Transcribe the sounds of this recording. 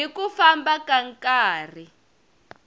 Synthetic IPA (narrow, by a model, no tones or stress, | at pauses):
ikufambakaŋkʼaːr̤i